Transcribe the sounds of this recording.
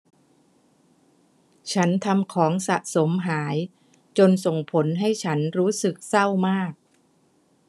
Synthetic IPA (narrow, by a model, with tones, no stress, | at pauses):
t͡ɕʰa˦˥nt̪ʰa˧mkʰɔː˩˦ŋsa˨˩ʔso˩˦mɦaː˩˦j | t͡ɕo˧nso˨˩ŋpʰo˩˦nɦa˥˩jt͡ɕʰa˦˥nɾuː˦˥sɯ˨˩k̚sa˥˩wmaː˥˩k̚